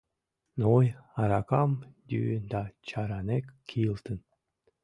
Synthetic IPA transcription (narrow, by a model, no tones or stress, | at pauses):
nojɑɾɑkɑmd̪ʲy̰nd̪ɑt͡ɕɑɾɑnekkʲʰːilˠt̪ən